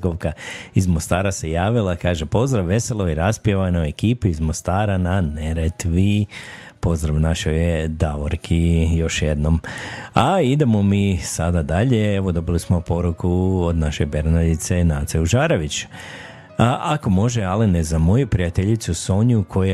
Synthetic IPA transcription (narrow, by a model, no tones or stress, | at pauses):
ɡoʋkaizmo̞st̪aːɾase̞jaːʋilˠakaːʒepo̞zd̪ɾaʋːe̞se̞lˠoiɾaspjeʋanoekiːpiizmo̞st̪aːɾananeɾet̪ʋi | po̞zd̪ɾaʋnaʃojd̪aʋoɾkʰijo̞ʃjed̪no̞maid̪e̞mo̞misad̪ad̪aʎeeʋo̞d̪o̞bilismo̞po̞ɾukuod̪naʃo̞jbe̞ɾnad̪it̪se̞naːt̪seuʒaːɾeʋit͡ɕ | ʔako̞mo̞ʒealinezamo̞jupɾijat̪eʎit̪suso̞ɲukʰo̞je